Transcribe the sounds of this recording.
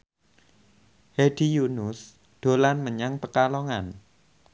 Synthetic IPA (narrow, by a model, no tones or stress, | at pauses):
hed̥ijunʊs | d̪̥o̤lanməɲaŋpəkalɔŋan